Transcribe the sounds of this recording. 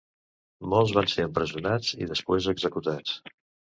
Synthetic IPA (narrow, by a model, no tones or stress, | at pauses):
mɔlˠzβanseəmpɾəziunad͡zḭðəspwezəɡzəkut̪at͡s